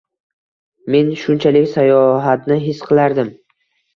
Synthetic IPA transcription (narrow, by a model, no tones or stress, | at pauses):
me̞nʃʊnt͡ʃʰalɪkʲsajɒɦat̪nɪɦɪsqʰɨlˠaɾd̪ɪm